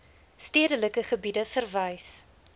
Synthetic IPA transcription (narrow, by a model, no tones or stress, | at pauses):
stiədələkəχəbidəfərvɐjs